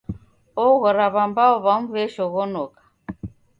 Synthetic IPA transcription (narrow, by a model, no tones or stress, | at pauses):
ɔɣɔɾaβambaɔβamuvɛʃɔɣɔnɔkḁ